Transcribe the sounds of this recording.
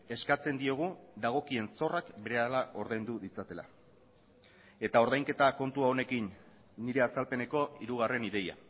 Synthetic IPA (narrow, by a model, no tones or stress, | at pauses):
e̞skat͡se̞nd̪io̞ɣ̞ud̪aɣ̞o̞kie̞nso̞rakbe̞ɾeaelao̞ɾðajnd̪uðit͡sat̪e̞la̰ | e̞t̪ao̞ɾðajŋke̞t̪ako̞nt̪uao̞ne̞kinː | iɾe̞asalpe̞ne̞ko̞iɾuɣ̞are̞niðe̞ja̰